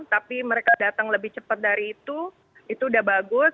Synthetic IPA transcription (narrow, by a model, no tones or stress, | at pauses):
t̪apiməɾekadat̪əŋləbɪht͡ʃəpət̪̚daɾiːt̪u | it̪uːdahbaɡʊ